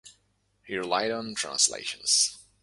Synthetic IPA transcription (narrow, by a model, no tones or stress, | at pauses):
hiɹlaɪɾn̩tʰɹ̥æ̰̃nslḛɪʃɨ̃n̩z̥